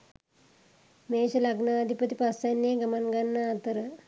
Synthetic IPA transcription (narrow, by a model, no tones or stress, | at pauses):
meːʃɐlaɡnaːd̪ʱipət̪ipasanːeɡɐmanɡanːaːt̪əɾə